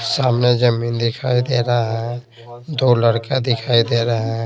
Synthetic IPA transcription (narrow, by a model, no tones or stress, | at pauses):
saːmned͡ʒɐmiːnd̪ɪkʰaːid̪eːɾɐaɦɛ̃ | d̪oːlɐɽkad̪ɪkʰaːid̪eːɾaɦɛ̃